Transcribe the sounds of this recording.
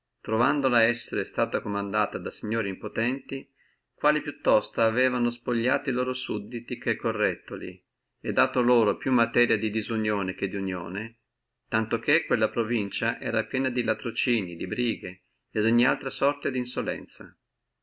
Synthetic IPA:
t̪ɾovand̪olaɛsːeɾest̪aːt̪akomand̪aːt̪ad̪asiɲːoːɾiimpot̪ɛnt̪i | kwaːlipjut̪ːɔst̪aːvɛːvanospoʎːaːt̪oiloːɾosud̪ːit̪ikekːorːɛt̪ːolḭ | ed̪ːaːt̪oloːɾopjumːat̪ɛːɾjad̪id̪izunjoːnek̟ed̪ːiunjo̰ːne | t̪ant̪okekːwelːapɾovint͡ʃaʔɛ̰ːɾapjɛːnad̪ilat̪ɾot͡ʃiːnid̪ibɾiːɡe | ed̪oɲːia̰lt̪ɾasɔrt̪ad̪insolɛ̰nt̪sa̰

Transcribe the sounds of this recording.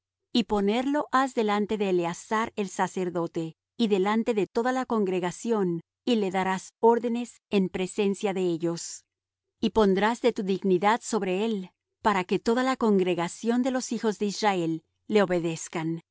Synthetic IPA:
ipo̞ne̞ɾlo̞ʔazðe̞lant̪e̞ðe̞ːleasaɾe̞lsase̞ɾðo̞t̪e̞ | iðe̞lant̪e̞ðe̞t̪o̞ðalako̞ŋɡɾe̞ɣasjo̞n | ile̞ðaɾaso̞ɾðe̞ne̞s | e̞mpɾe̞se̞nsjaðe̞eʝo̞s | ipo̞nd̪ɾazðe̞t̪uðiɣniðaðso̞βɾe̞el | paɾake̞t̪o̞ðalako̞ŋɡɾe̞ɣasjo̞nd̪e̞lo̞sixo̞zðe̞israe̞lː | e̞o̞βe̞ðe̞skan

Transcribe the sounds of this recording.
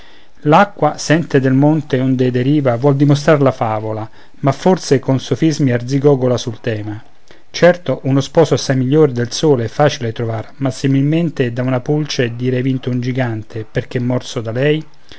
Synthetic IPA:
lakːwasɛnt̪ed̪elmont̪eond̪ed̪eɾiːvavwɔld̪imos̬t̪ɾarlafaːvola | mafːorsekonsofizmiard̪ziɡɔːɡolasult̪ɛːma | t͡ʃɛrt̪oʔunospɔːsoasːajmiʎːoːɾed̪elsoːleɛfːaːt͡ʃilet̪ɾovarmasimilment̪ed̪aunapult͡ʃed̪iːɾevint̪ound͡ʒiɡant̪ʰeperk̟eɛmːɔrsod̪alɛj

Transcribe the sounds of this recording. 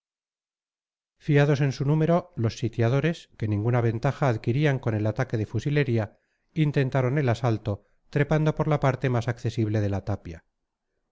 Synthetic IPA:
fiað̞o̞se̞nsunume̞ɾo̞lo̞sːit̪jað̞o̞ɾe̞ske̞nĩŋɡunaβ̞e̞nt̪axaːðkiɾiaŋko̞ne̞lat̪ake̞ðe̞fusile̞ɾia | int̪e̞nt̪aɾo̞ne̞lasalt̪o̞ | t̪ɾe̞pand̪o̞po̞ɾlapaɾt̪e̞masakθe̞siβle̞ðe̞lat̪apja̰

